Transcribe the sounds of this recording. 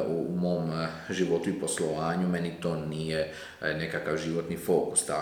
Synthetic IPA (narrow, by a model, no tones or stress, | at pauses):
umo̞ːmʒiʋo̞t̪uipo̞sloʋaːɲumenit̪o̞ːnije | ne̞kakaʋʒiʋot̪nifo̞ːku̥st̪a